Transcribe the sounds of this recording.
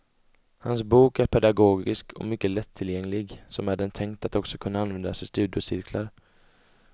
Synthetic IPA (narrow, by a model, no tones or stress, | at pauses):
hans̬buːkæɾpʰɛd̪aɡoːɡɪskʰɔ̰mʏkːəlɛt̪ʰːɪljɛŋːlɪɡsɔmæɖɛnt̪ʰɛŋkt̪at̪ɔksɔkʰɵnːaanvɛnd̪asɛjst̪ʉ̟ːd̪ɪʊsɪɾkʰlaɾ